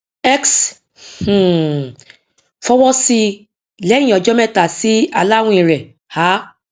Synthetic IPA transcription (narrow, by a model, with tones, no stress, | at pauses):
ɛ˦ks | h̩˨ | fɔ˦wɔ˦si˧ | lɛ˨˦jĩ˨ɔ˨d͡ʒɔ˦mɛ˦ta˨si˦a˧la˦wũ˦ĩ˨ɾɛ˨ | ha˨˦